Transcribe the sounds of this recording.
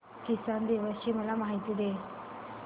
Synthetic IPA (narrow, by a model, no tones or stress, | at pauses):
kisand̪eʋəsɕiːməlamaɦit̪iːd̪e